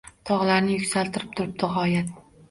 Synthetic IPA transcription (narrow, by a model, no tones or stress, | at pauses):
t̪ʰɒʁlˠaɾnɪjʊkʲsalt̪ʰɪɾɪp̚t̪ʰʊɾɪp̚d̪ɪɦɒjat̪̚